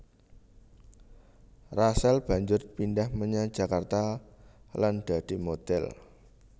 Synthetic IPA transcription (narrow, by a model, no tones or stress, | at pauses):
rasalb̥a̤ɲd͡ʒʊrpindahməɲḁd͡ʒ̥a̤kart̪a | land̪̥a̤d̪̥imod̪̥ɛl